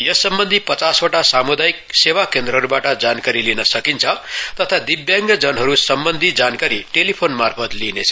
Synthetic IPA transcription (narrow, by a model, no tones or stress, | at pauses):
jʌsʌmbʌnd̪ʱipʌt͡sasoʈasamud̪ajik̚sewakend̪rʌɦʌɾubaʈʌd͡zankaɾilinʌsʌkint͡sʰʌt̪ʌt̪ʰad̪ibjaŋɡʌd͡zʌnɦʌɾusʌmbʌnd̪ʱid͡zankaɾiʈelipʰonmarpʰʌt̪linet͡sʰ